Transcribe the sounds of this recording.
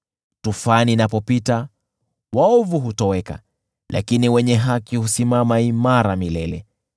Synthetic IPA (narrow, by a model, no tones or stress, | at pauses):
tufaninapɔpita | waɔvuɦutɔwɛka̰ | lʔa̰kiniwɛɲɛɦakihusimamaimaɾamilɛlɛ̰